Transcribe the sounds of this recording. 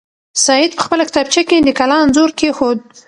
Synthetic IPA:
sɑjɪd̪̚pə̥xpəlakt̪ab̚t͡ʃaked̪əkalɑnzoɾkexod̪̚

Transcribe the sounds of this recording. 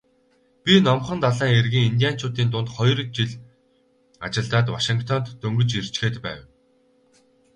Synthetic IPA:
pʲinɔmχə̆nt̪aɮaːŋerɣiːŋint̪ʲijaːn̥t͡ɕʰʊːt̪iːnt̪ʊnt̪χɔjrt͡ɕiɮ | at͡ɕɪ̆ɮt̪aːt̪waʃiŋkt̪ʰɔnt̪ːɵŋɡɵ̆t͡ɕir̥t͡ɕxeːt̪pæ̰ːw

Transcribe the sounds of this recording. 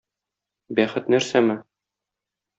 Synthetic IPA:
bæχɘ̆t̪næɾsæmɘ

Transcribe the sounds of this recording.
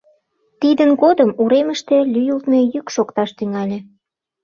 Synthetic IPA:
t̪id̪ənɡɣod̪əmuɾeməʃt̪e̽lʲyjult̪me̽jykʃokt̪ɑʃt̪yŋɑlʲĕ

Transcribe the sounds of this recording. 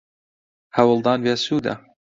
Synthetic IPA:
hɐwɨlˠd̪ɑːnveːsuːd̪ɐ̰

